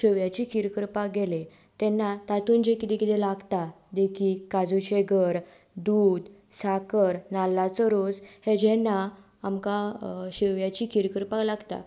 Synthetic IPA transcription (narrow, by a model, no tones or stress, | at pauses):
ɕeʋjat͡ɕikʰiɾkəɾpakɡele | t̪ɛnːat̪at̪uːnd͡ʑekit̪ɛ̃kit̪ɛ̃laɡt̪ad̪ekʰikad͡zuɕeɡəɾ | d̪ud̪sakəɾnalːat͡səɾod͡zhed͡ʑɛnːa | amkaɕeʋjat͡ɕikʰiɾkəɾpalaɡt̪a̰